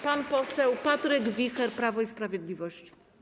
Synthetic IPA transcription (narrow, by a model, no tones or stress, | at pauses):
panpɔsɛwpat̪ɾɛɡvʲixɛɾpɾavɔispɾavʲjɛd̪lʲivɔɕt͡ɕi̥